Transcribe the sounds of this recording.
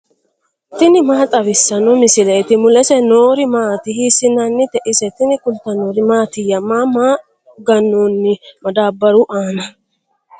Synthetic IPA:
t̪ɪnɪmaːt̪ʼɐβɪsːɐnɔmɪsɪlet̪ɪmʊlɛsɛnoːɾɪmaːt̪ɪhisɪnɐnːɪt̪ɛʔɪsɛt̪ɪnɪkʊlt̪ɐnoːɾɪmaːt̪ɪjɐmːaːmaː | ɡɐnːonːɪmɐd̪aːbːɐɾʊʔaːnɐ

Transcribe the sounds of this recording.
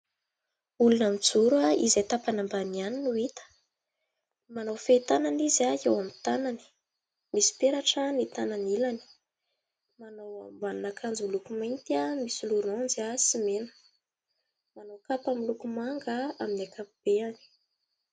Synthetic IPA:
ulunamid͡zuɾaizejt̪apanambanianinuit̪ə̥ | manawfet̪ananizaewamit̪anani̥ | misi̥peɾaʈ͡ʂənit̪ananilani̥ | manawa̰mbaninakʰand͡zulukumajnt̪iamisuluɾonziasimenə̥ | manowkapamilukumaŋɡaaminakʰapub̥eani̥

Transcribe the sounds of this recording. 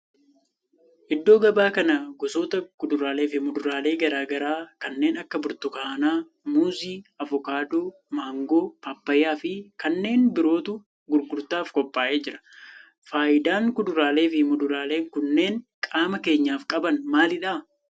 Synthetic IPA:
ʔɪd̪ːo̞ːɡɐbaːkɐnɐɡɔso̞ːt̪ɐkʊd̪ʊɾaːle̞ːfɪmʊd̪ʊɾaːle̞ːɡɐɾaːɡɐɾaːkɐnːe̞ːnɐkːɐbʊɾt̪ʊkaːnaː | muːziːɐvɔkaːd̪oː | maːŋɡo̞ːpaːpːɐjːaːfɪkɐnːe̞ːnbɪɾo̞ːt̪ʊ | ɡʊɾɡʊɾt̪aːfkɔpʼːaːʔe̞ːd͡ʒɪɾɐ̥ | faːʔɪd̪aːŋkʊd̪ʊɾaːle̞ːfɪmʊd̪ʊɾaːle̞ːŋkʊnːe̞ːnkʼaːmɐke̞ːɲːaːfkʼɐbɐnmaːlɪᶑa

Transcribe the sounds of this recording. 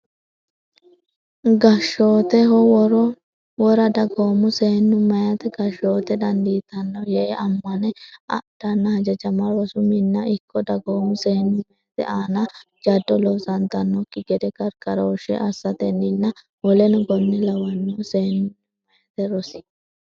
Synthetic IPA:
ɡɐʃoːt̪ɛɦɔwɾɔ | wɔɾɐd̪ɐɡoːmʊseːnːʊmɐjɐt̪ɛɡɐʃo̞ːt̪ɛd̪ɐnd̪iːt̪ɐnːɔjɛʔɐmːɐnɛɐ̰d̪̥ɐnːɐhɐd͡ʒɐd͡ʒɐmɐɾɔsʊmɪnːɐʔɪkːɔd̪ɐɡoːmʊseːnːʊmːɐjɐt̪ɛ̰ʔaːnɐ | d͡ʒɐd̪ːɔlɔsɐnt̪ɐnːɔkːɪɡɛd̪ɛkɐɾkɐɾoːʃɛ̰ʔɐsːɐt̪ɛnːɪnːɐ | wɔlɛnʊɡɔnːɛlɐwɐnːɔseːnʊmɐjɐt̪ɛɾɔsɪ̥

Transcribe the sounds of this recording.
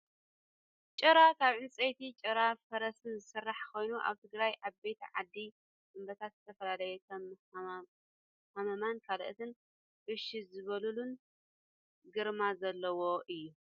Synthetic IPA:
t͡ʃʼɨɾakʰaβʕɨnt͡sʼejt̪ʰit͡ʃʼɐɾafɐɾɐst̪ɨnzɨsɨrːaħkʰo̞jnuʔa̰βt̪ʰɨɡɾajʔaβbe̞t̪ʰiʕad̪ːi | dɨmbɐt̪ʰat̪zɨt̪ʰɐfɐlalɐjɛkʰɐm | hɐmɐmankʰalʔɨt̪ʰɨn | ʔɨʃizɨβɐlulun | ɡɨɾmazɐlːɐwo̞ʔɨjːu

